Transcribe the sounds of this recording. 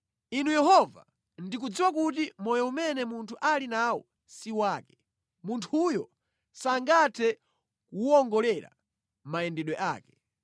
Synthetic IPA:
inujɛhɔva̰ | ndik̬ud͡ziwakut̬imɔjɔumɛnɛmuntʰuʔalinawɔ̰ | siwaːkɛ̥ | muntʰujɔ | saŋɡatʰɛ | kuɔŋɡɔlɛɾa̰ | maɛndɛɗwɛʔaːkɛ̥

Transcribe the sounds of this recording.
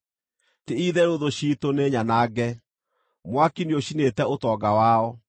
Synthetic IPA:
teiðɛɾoðoɕiːtoneɲanaɡɛ | mwakinioɕinetɛotɔːɡawaːɔ

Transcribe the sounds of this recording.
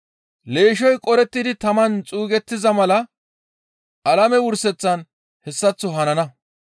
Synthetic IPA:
le̞ːʃɔjkʼɔɾɛt̪ːɪd̪ɪt̪ɐmɐnt͡sʼuːɡɛt̪ːɪzɐmɐlɐ | ʔɐlɐmɛwʊɾsɛt͡sːɐn | hɛsːɐt͡sːʊɦɐnɐnɐ

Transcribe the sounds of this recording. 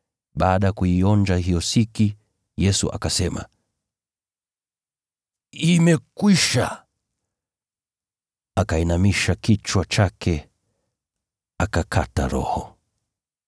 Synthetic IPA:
ɓaːɗajakuiɔnd͡ʒaɦijɔsiki | jɛsṵʔa̰kasɛma̰ | imɛkwiʃa̰ | akainamiʃakit͡ʃwat͡ʃakʰɛ | akakʰata̰ɾɔ̰hɔ

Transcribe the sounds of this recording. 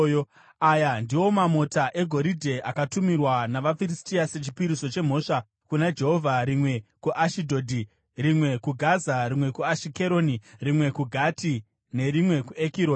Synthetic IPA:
ajandiwo̞mamo̞taʔe̞ɡʱo̞ɾidʱe̞ʔakatumirwanaʋafiɾistiase̞t͡ʃi̥piɾiso̞t͡ʃe̞m̤o̞ːʂa | kunad͡ʒe̞ɦo̞vʱaɾimwe̞kuʔaʃidʱoːdʱi | rimwe̞kuɡʱazaɾimwe̞kuaʃike̞ɾo̞nirimwe̞kuɡʱati | ne̞ɾimwe̞kuekiɾoːn

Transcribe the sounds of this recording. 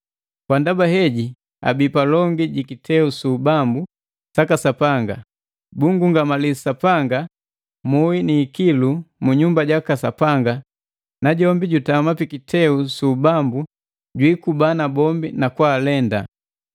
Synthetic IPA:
kwandabaɦɛɟi | a̰bipalɔŋɡiɟikitʰɛusuːbambu | sakasapaŋɡa̰ | buŋɡuŋɡamalisapaŋɡa | muinikilumuɲumbaɟakasapaŋɡa | naɟɔmbiɟutamapikitʰɛusubambu | ɟwikubanabɔmbinakwaːlɛnda

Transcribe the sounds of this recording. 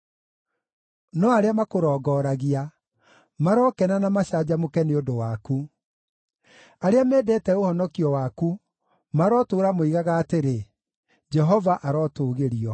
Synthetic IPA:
nɔaɾeamakoɾɔːɡɔːɾaɣia | maɾɔkɛnanamaɕad͡ʑamokɛneodowaku | aɾeamɛːdɛtɛohɔnɔkiɔwaku | maɾɔtoːɾamoiɣaɣaːteɾe | d͡ʒɛɦɔvaʔaɾɔtoːɣeɾiɔ

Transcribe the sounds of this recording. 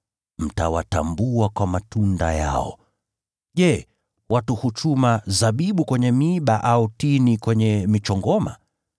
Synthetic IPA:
m̩tawatambuakwamatunda̰ja̰ɔ̰ | ʄɛ | watuhut͡ʃumazaɓiɓukwɛɲɛmiɓaʔautinikwɛɲɛmit͡ʃɔŋɡɔma̰

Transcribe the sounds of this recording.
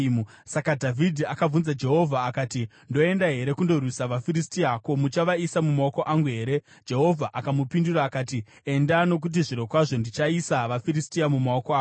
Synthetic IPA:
sakadʱavʱidʱiakab͡vunzad͡ʒe̞ɦo̞vʱaːkaːti | ndo̞e̞ndaɦe̞ɾe̞kundo̞rwisaʋafiɾistiako̞mut͡ʃaʋaisamumaoko̞ʔaŋɡuɦe̞ːɾe̞ | d͡ʒe̞ɦo̞vʱaʔakamupinduɾaːkaːti | endano̞k̬ut̬iʐiɾo̞kwaʐo̞ndit͡ʃaisaʋafiɾistiamumaokoaː

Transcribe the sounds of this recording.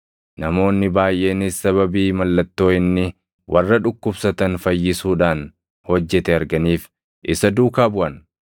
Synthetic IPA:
nɐmo̞ːnːɪbaːjʔe̞ːnisːɐβɐbiːmɐlːɐt̪ːo̞ːɪnːɪ | wʔɐrːɐᶑʊkːʊbsɐt̪ɐnfɐjːɪsuːᶑaːn | hɔd͡ʒːɛt̪ɛɐɾɡɐniːf | ʔɪsɐd̪uːkaːbʊʔɐn

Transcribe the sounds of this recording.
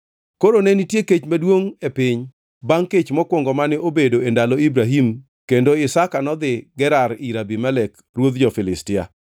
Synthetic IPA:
koɾonɛnitjeket͡ʃmadwoŋepɪɲ | baŋket͡ʃmɔkwoŋɡɔmanɪʔobedoendaloibɾaɦim | kendoɪsakanɔd̪ɪɡɛɾaɾiɾabimɛlɛk | rwod̪d͡ʒɔfɪlɪstɪa̰

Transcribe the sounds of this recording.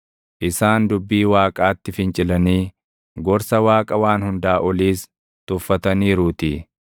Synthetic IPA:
ʔɪsaːnd̪ʊbːiːwaːkʼaːt̪ːɪfɪnt͡ʃʼɪlɐniː | ɡɔɾsɐwaːkʼɐwaːnhʊnd̪aːʔɔliːs | t̪ʊfːɐt̪ɐniːɾuːt̪ɪ

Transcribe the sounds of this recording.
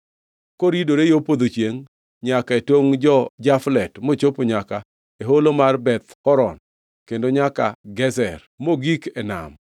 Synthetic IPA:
koɾidoɾejopod̪ot͡ʃjeŋ | ɲakaetoŋd͡ʒɔd͡ʒaflɛtmot͡ʃopoɲaka | eɦolomarbɛt̪ɔɾɔn | kendoɲakaɡɛzɛr | moɡikɛna̰m

